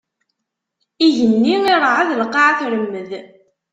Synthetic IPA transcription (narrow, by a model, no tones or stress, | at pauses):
iʝənːiŋiɾˤʕaðləqːɑʕaθɾəmːəð